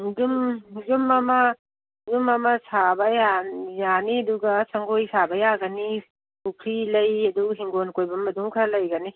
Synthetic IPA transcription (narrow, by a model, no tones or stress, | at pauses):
dumzumɐmɐ | zumɐmɐsabɐjajaniɐduɡɐsɐŋɡojsabɐjaɡɐni | pukʰɾilɐjɐduɦiŋɡonkojbɐmːɐduŋkʰalɐjɡɐni